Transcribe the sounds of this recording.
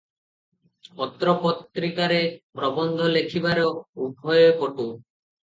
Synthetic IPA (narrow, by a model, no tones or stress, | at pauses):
pɔt̪ɾɔpɔt̪ːɾikaɾepɾɔbɔnd̪ʱɔlekʰibaɾɔubʱɔjekɔʈu